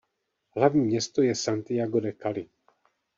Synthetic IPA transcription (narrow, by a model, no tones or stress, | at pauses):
ɦlavɲiːmɲɛst̪ojɛsant̪ɪjaɡoɾɛkalɪ